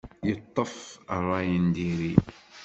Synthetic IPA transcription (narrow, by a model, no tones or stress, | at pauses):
jət̪ˤːəfərˤːɑjənd̪iɾi